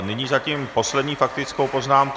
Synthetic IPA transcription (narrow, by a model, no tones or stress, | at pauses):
nɪɲizaciːmpo̞slɛdɲiːfak̚t̪ɪt͡skowpo̞znaːmk